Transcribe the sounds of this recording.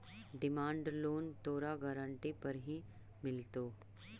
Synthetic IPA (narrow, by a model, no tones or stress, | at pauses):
ɖɪmãːɳɖloːnt̪oːɾaɡaːɾə̃ɳʈipɐɾɦi | mɪlt̪oː